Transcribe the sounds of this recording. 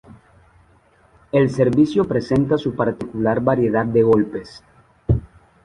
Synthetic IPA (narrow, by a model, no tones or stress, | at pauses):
else̞ɾβisjopɾe̞se̞nt̪asupaɾt̪ikulaɾβaɾje̞ðad̪̚d̪e̞ɣ̞o̞lpes